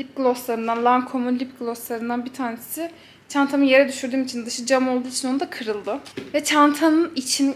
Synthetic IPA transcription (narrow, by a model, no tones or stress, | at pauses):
lʲip̚ɡlˠoslˠaɾɯnd̪anlˠaŋkʰo̞mulʲipɡlˠo̞slˠaɾɯnd̪anbit̪ʰaːnesɪ | t͡ʃʰant̪ʰamɯje̞ɾɛd̪yʃyɾd̪yːmit͡ʃʰind̪ɯʃɯd͡ʒamo̞lˠd̪uːit͡ʃʰino̞nud̪akʰɯɾɯlˠd̪ɯvɛt͡ʃʰant̪ʰanɯnit͡ʃʰin